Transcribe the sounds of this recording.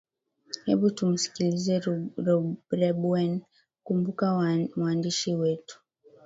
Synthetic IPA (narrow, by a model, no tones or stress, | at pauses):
hɛɓutum̩si̥kilizɛɾɔɾɛbuɛn | kumbukawmwandiʃiwɛtu̥